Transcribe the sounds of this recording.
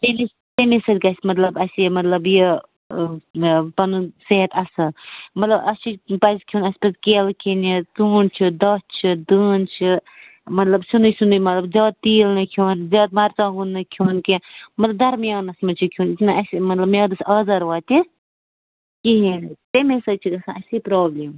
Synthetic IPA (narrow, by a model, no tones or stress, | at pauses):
t̪emi | t̪emisɐd̪ʲkɐsʲmɐt̪lɐbɐsimɐt̪lɐbji | pɐnuseɦɐt̪ɐsɨmɐt̪lɐbɐt͡ʃʰipɐskʰjuːnɐsʲpɐskeːlkʰinit͡suːnt͡ʃʰid̪ɐt͡ʃʰid̪ɨːnt͡ʃʰi | mɐt̪lɐbsunɨsunɨmɐt̪lɐbd͡ʒɐːd̪̚t̪iːlnɨkʰoːnd͡ʒɐːt̪̚mɐɾt͡saːɡunːɨkʰjuːnkemɐt̪lɐb̚d̪ɐɾmjaːnɐsmɐt͡ʃʰikʰjuːnit̪nɨɐsimɐt̪lɐbmjaːd̪ɐsɐːzɐɾʋaːt̪ʲi | kiɦint̪emesɐt͡ʃʰid̪ɐsɐɐsipɾoːbliːm